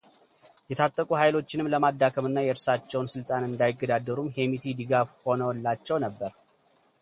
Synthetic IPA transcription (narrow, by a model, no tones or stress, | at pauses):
jɛt̪ʰat̪ʼːəkʼuɦajlo̞t͡ʃːɪnɨmləmad̪ːakʰəmɨnːajɛɾsat͡ʃːɛwnsɨlt̪ʼanɨnd̪ajɪɡːəd̪ad̪əɾumhe̞mit̪ʰid̪ɨɡafho̞nəwlːat͡ʃːɛwnəbːəɾ